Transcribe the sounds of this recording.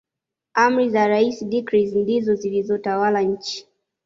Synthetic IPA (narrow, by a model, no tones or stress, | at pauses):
am̩ɾizaɾaisidikɾizndizɔzilizɔtawalaɲ̩t͡ʃi̥